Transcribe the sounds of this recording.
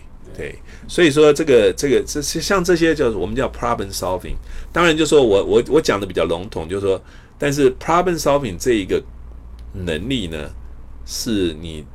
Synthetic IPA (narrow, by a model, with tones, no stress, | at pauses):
t̪wḛ˥˩ɪ | swɔ˧˥i˨˩ʂ̬wɔ˦˥ʈ͡ʂɤ˥˩ɡə˩ʈ͡ʂɤ˥˩ɡə˩˥˧ɕjɑ˥˧ŋʈ͡ʂɤ˥˩ɕ̬jɛ˥t͡ɕjɑ˥˧ʊ˨wɔ˨˩mə˦˥t͡ɕjɑ˥˩ʊpʰɹa˥bə˧˨nsa˥ʊfḭ˨˩ŋt̪ɑ˥ŋɻa˧nt͡ɕjo˥˧ʊʂwɔ˥wɔ˨˦wɔ˧˦wɔ˧˦t͡ɕjɑ˨˩ŋd̪əpi˨˩t͡ɕjɑ˥˩ʊlʊ˧˥ŋt̪ʰʊ˨˩˦ŋt͡ɕjo˥˧ʊʂʂwɔ˥ | t̪a˥˧nʂ̬ɻ̩˥˩pʰɹa˥bə˧˥nsa˥ʊfi˨˩ŋʈ͡ʂɤ˥˩i˧˦˥ɡə˧ | nə˧˥ŋli˥˩nə̰˩ʂɻ̩˥˩ni˨˩